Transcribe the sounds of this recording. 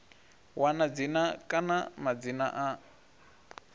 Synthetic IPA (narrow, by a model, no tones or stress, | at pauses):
wanad͡zinakʼanamad͡zinaʔa